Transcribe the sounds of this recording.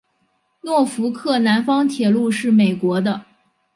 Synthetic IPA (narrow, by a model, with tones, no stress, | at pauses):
nwɔ˥˩fu˧˥kʰɤ˥˩na˧˥nfɑ˥ŋt̪ʰjɛ˨˩lu˥˧ʂɻ̩˥˩me˨˩ɪkwɔ˧˥d̪ə˧